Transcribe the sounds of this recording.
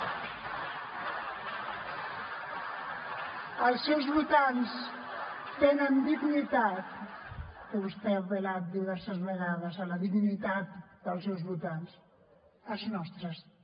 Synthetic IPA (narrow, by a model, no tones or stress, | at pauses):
əlˠsːewzβut̪ans | t̪enənd̪iɣnit̪at̪ | kəβust̪ɛəpəlat̪̚d̪iβɛɾsəzβəɣaðəzələðiɣnit̪at̪̚d̪əlˠsɛwzβut̪ans | əznɔst̪ɾəs